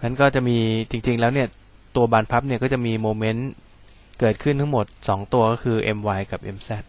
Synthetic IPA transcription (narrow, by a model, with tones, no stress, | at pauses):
na˦˥nkɔː˥˩t͡ɕa˨˩ʔmiː˧t͡ɕi˧ŋt͡ɕi˧ŋlɛː˦˥wni˥˩ɐ | t̪u˧ɐbaː˧npʰa˦˥p̚ni˥˩kɔː˥˩t͡ɕa˨˩miː˧moː˧me˦˥n | kɤː˨˩t̪̚kʰɯ˥˩nt̪ʰa˦˥ŋmo˨˩t̪̚sɔː˩˦ŋt̪u˧ɐkɔː˥˩kʰɯː˧ʔe˧mwaː˧jka˨˩p̚ʔe˧msɛ˥˩t̪̚